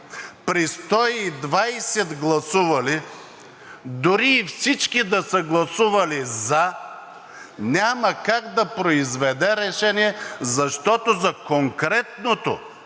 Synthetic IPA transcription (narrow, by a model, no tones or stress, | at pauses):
pɾist̪ɔiːd̪vajsɛd̪ɡlˠɐsuvɐli | d̪ʊɾiːfsit͡ʃkid̪ɐsəɡlˠɐsuvɐlizɐ | nʲamɐkaɡd̪ɐpɾoizvɛd̪ɛɾɛʃɛniɛzɐʃt̪ɔt̪ozɐkoŋkɾɛt̪not̪o